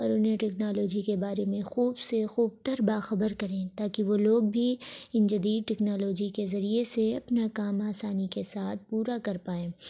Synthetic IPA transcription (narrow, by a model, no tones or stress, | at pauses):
ɔːɾʊnɦẽʈɛknaːloːd͡ʒikebaːɾemẽxuːbsexuːb̚t̪əɾbaːxɐbəɾkɐɾẽːt̪aːkiʋoloːɡ̚bʱiɪ̃nd͡ʒɐd̪iːd̪̚ʈɛknaːloːd͡ʒikezɐɾieseɐpnakaːmaːsaːnikesaːt̪̚ʰpuːɾakɐɾpaːẽː